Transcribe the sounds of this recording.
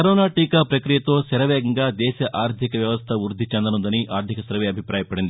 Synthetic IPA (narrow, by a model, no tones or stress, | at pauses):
kɐɾoːnaːʈiːkaːpɾɐkɾijɐt̪o̞ːsɛɾɐʋɛːɡɐŋɡaːd̪ɛːʃɐʔaːɾd̪ʱikɐʋjɐʋɐst̪ʰɐʋuɾud̪ʱːit͡ʃɛnd̪ɐnund̪ɐniʔaːɾd̪ʱikɐsɐɾʋeːɐbʱipɾaːjɐpɐɽind̪ii